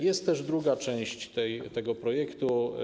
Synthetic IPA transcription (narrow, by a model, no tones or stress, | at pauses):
jɛst̪t̪ːɛʐd̪ɾuɡat͡ʂɛ̃w̃ɕt͡ɕt̪ɛjt̪ɛɡɔpɾɔjɛkt̪u